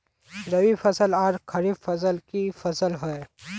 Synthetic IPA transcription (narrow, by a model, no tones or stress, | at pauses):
ɾəwipʰɐsəlaːɾkʰɐɾibfʰɐs̬əlkifʰɐsəlɦɛe